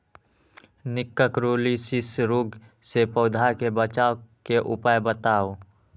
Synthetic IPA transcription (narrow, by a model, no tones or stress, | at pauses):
nɪkːəkɾoːlisɪsɾoːɡ | sepəʊd̪ʱakebət͡ʃaːokeʔʊ̰paːjbət̪aːo